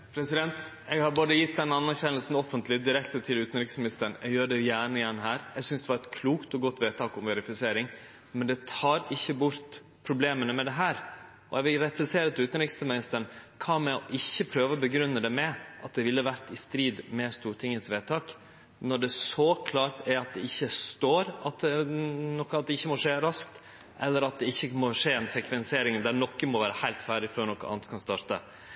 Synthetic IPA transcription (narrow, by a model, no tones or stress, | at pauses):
pʰɾɛsɪd̪ɛnt̪ | ɛɡhɑɾbɑːd̪əjɪt̪̚ːd̪ɛnːɑnːæɾçɛnəlsn̩ɔfːənt̪lɪd̪ɪɾɛkt̪ət̪ʰɪlʉːt̪n̩ɾɪksmɪnɪst̪əɾɳɛɡjøːɖɛjæːɳəɪjɛɳːɦæːɾɛɡsʏnsd̪ɛʋɑɾɛt̪kʰluːkt̪ɔɡɔt̪ːʋeːt̪ʰɑːkʊmʋɛɾɪfɪseːɾɪŋ | mɛnd̪ɛt̪ʰɑːɾɪçːəbʊɾt̪ | pʰɾʊbleːmənəmɛd̪ɛɦæːɾ | ɔɛɡʋɪlɾɛplɛseːɾət̪ɪlʉːt̪nɾɪksmɪnɪst̪əɾnkʰɑːmɛɔʔɪçːəpʰɾøːʋəbəɡɾʉnːəd̪ɛmɛʔɑt̪̚d̪ɛʋɪlːəʋæɾt̪ɪst̪ɾiːd̪mɛst̪uːɾʈʰɪŋːət̪sʋeːt̪ʰɑːk | nɔɖɛsɔkʰlɑːɾt̪ʰæɾɑt̪̚d̪ɛɪçːəst̪oːɾɑt̪̚ɛnɔkːɑt̪̚d̪ɛɪçːəmɔʂeːɾɑsk̚t̪ | ʔɛlːəɾɑt̪̚d̪ɛɪçːəmoʂeːɛnsɛkʋɛnseːɾɪŋnd̪æɾnɔkːəmɔʋæːɾəhæɪlt̪fæːɖɪføːɾɳɔkːəʔɑ̰nskʰɑnst̪ɑːɾt̪ə̰